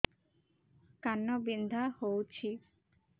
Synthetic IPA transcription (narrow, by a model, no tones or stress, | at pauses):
kanːɔbind̪ʱahowt͡ɕʰi